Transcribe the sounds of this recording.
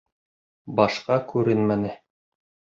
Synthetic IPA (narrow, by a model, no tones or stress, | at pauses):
bɑʃqɑkʉɾɘnmænɘ